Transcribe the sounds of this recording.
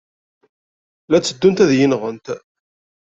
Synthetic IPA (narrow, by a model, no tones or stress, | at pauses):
læt͡sːəd̪ːunt̪æðjinʁənt̪